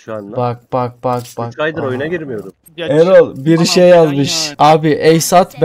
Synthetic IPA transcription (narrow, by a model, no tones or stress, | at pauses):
bak̚b̥ak̚b̥akbaajd̪ɯɾojnaɡiɾmijoɾu | ɛɾolˠbiɾʃejalˠmɯʃaːbiʔɛjsat̪b